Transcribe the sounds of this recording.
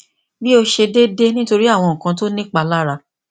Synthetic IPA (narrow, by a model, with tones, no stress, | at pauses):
bi˦o˧ʃe˧de˦de˦nĩ˦to˧ɾi˦a˦˨w̃ɔ̃˧ŋ̩˨kã˧˦to˦nĩ˦k͡pa˧la˦ɾa˧